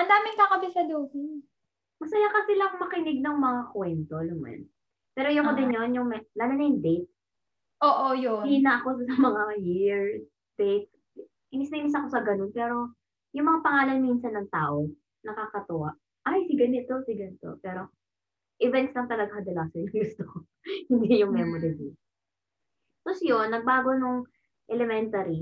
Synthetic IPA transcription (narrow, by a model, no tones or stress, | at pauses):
ʔɐnd̪aːmɪŋkakɐbɪʃɐd̪oːhɪn | mɐsɐjakɐsɪlɐŋmɐkɪnɪɡ̚nɐŋmɐŋakwɛnt̪olɐmɐ̰n | pɛːɾojoŋkod̪ɪnjonjʊŋmɐlaːnɐnɐjʊŋd̪ejt̪̚ | ʔoːʔojʊiːnɐɐkossɐmɐŋajɪɹ | d̪̥ɛjt̪̚ | ʔɪnɪsnɐjmɪsɐko̞sɐɡɐnonpɛːɾo̞ | jʊŋmɐŋapɐŋaːlɐnmiːnsɐnːɐŋt̪aːʔo | nɐkaːkɐt̪ʊa | ʔajsiɡɐnɪt̪o̞sɪɡɐnɪt̪o̰pɛːɾo̞ | ʔɪvɛnt̪slɐŋt̪ɐlɐɡahɐd̪ɐlasɛnɡʊst̪oko | hɪnd̪ijʊŋmɛmod̪ɐdis | posjonːɐɡ̚baːɡonʊŋ | ʔɛlɛmɛnt̪ɐɾi